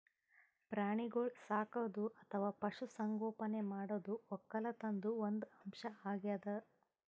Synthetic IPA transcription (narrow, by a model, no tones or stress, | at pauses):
pɾaːɳiɡoɭsaːkɐd̪uɐt̪ʰɐʋaːpɐʂusɐŋɡɔːpɐne̞maːɽoːd̪uɔkːɐlɐt̪ɐnd̪uond̪ɐmʃɐaːɡjad̪ɐ